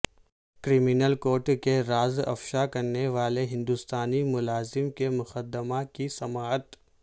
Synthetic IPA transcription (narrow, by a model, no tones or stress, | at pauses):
kɾiːminəlkoːɾʈkeɾaːzɐ̰fʃakɐɾneʋaːleɦɪ̃nd̪ʊst̪aːnimʊlaːzɪmkemʊxəd̪əmakisɐmaːɦət̪